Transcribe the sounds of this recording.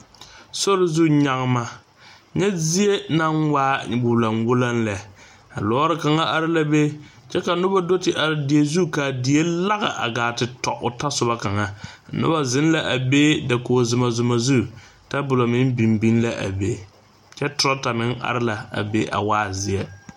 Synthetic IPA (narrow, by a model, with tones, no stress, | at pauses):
so˦ɾɪ˦zu˦˨ɲa˦ŋ˦ma˦ | ɲɛ˦zi˦e˦na˦nwaː˦buː˨la˨nwʊ˦la˦nlɛ˨ | a̰˨lɔ˨˦ɾɪ˦ka˨ŋa˦ʔa˨ɾɪ˦la˦be˦ | t͡ʃɛ˦ka˨nʊ˦ba˦do˦tɪ˦ʔa˨ɾɪ˨di˨e˨zu˦ka˨dɪ˨e˦la˦ɣa̰˨ʔa̰˨ɡaː˨tɪ˨tɔ̰˨ʔʊ˨ta˦sʊ˨ba˦ka˨ŋa˦˨nʊ̰˦ba˦zɪ˦n˦la˨ʔa˨be˦da˨koː˨zʊ˨ma˨zʊ˨ma˨zu˦˨ | ta˦bʊ˨lo˨mɪ˦nbi˨mbi˦n˦la˦ʔa̰˨be˦ | t͡ʃɛ˦tʊ˨ɾa˦ta˨mɪ˦ŋa̰˨ɾɪ˦la˨a̰˨be˦ʔa̰˨waː˦zɪ˨ɛ˦